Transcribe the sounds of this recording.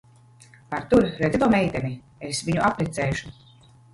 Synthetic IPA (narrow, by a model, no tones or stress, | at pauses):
paɾt̪uɾɾɛt̪it̪uɔmɛjt̪ʲɛni | esviɲuʔapɾɛt̪sɛːʃu̥